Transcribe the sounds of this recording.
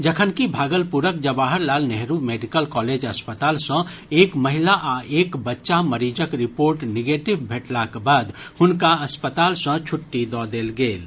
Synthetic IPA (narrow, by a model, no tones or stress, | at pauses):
d͡ʒəkʰənkibʱaːɡəlpuɾəkd͡ʒəbaːɦəɾlaːlnɛɦɾumeːɖikəlkɔːleːd͡ʒəspət̪aːlsə̃eːkməɦɪlaʔaeːkbətːʃaməɾiːd͡ʒəkɾɪpoːɾʈniɡeːʈɪbbʱeːʈlakbaːd̪hʊnkaɐspət̪aːlsə̃t͡ʃʰʊʈːid̪ɔd̪eːlɡeːl